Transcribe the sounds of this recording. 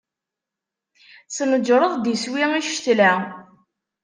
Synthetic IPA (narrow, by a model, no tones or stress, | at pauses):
sənəd͡ʒɾˤəðˤd̪iswiiʃt̪læ